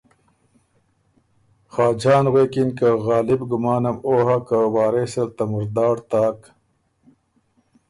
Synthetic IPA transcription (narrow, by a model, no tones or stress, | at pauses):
xaːd͡ʑaːnɣeːkinkaɣaːlibɡumaːnɐmoːɦakawaːɾeselt̪ɐmuɾd̪aːɽt̪aːk